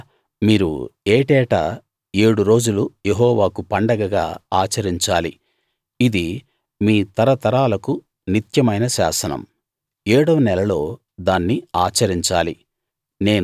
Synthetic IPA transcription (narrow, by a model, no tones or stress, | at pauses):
miːɾṵeːʈɛːʈa | e̞ːɽuɾo̞ːd͡ʒulujeɦɔːʋaːkupɐɳɖɐɡɐɡa̰ːaːt͡ʃɐɾiɲt͡ʃaːli | id̪i | miːt̪ɐɾɐt̪ɐɾaːlɐku | nit̪jɐmɐjnɐʃa̰ːsɐnɐ̰m | eːɽɐʋnɛlɐlo̞ː | d̪aːnːiaːt͡ʃɐɾiɲt͡ʃaːlḭ | ne̞ːn